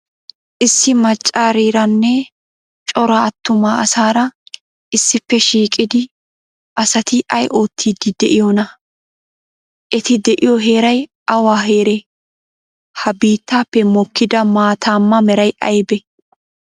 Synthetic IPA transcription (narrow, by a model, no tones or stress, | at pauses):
ʔɪsːɪmɐt͡ʃʼːaːɾiːɾɐnːɛ | t͡ʃʼɔɾɐɐt̪ːʊmaɐsaːɾɐ | ʔɪsːɪpːɛʃiːkʼɪd̪ɪ | ʔɐsɐt̪ɪʔɐjʔo̞ːt̪ʰːiːd̪ɪd̪ɛʔɪjɔnɐ | ʔɛt̪ɪd̪ɛʔɪjɔɦe̞ːɾɐj | ɐwaːɦe̞ːɾe | hɐbiːt̪ːaːpːɛmɔkːɪd̪ɐmaːt̪aːmːɐmɛɾɐjʔɐjbɛ